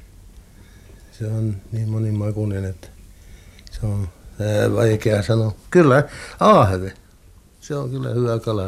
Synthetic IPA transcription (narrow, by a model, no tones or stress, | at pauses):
seonniːmmonimmɑkunenet̪ː | seonæʋɑikeɑsɑnokylːæɑːhʋe | seoŋkylːæ̰hyʋækɑlɑ